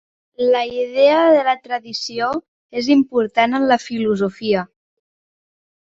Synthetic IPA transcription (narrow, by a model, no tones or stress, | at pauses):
ləiðeəðələt̪ɾəðisio | ezimpuɾt̪anənləfiluzufiə